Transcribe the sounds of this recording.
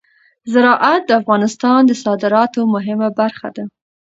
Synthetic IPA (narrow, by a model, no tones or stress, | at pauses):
zɪɾɑʔat̪̚d̪əafɣɑnɪst̪ɑnd̪əsɑd̪ɪɾɑt̪omʊɦɪmabaɾxa̰d̪a